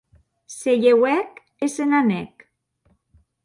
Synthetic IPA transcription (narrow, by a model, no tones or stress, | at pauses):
seʝewɛk | esenanek